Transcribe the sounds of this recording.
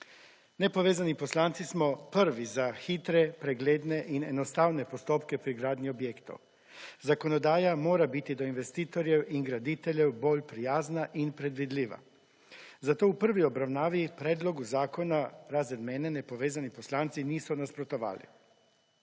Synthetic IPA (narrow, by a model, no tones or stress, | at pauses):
nepoʋeːzaniposlaːnt̪sismopəɾʋizaxit̪ɾɛpɾeɡleːd̪neʔinenost̪awnepost̪oːpkɛpɾiɡɾaːd̪niobjeːkt̪o̰w | zakonod̪aːjamoːɾabit̪id̪oinʋest̪iːt̪oɾjɛwʔiŋɡɾad̪it̪eʎɛwboːʎpɾijaːznaʔinpɾed̪ʋid̪liːʋa̰ | zat̪oupr̩ʋiobɾawnaːʋipɾed̪loɡuzaːkonaɾazɛd̪meːnɛnepoʋeːzaniposlaːnt̪siniːsɔnaspɾot̪oʋa̰ːlḭ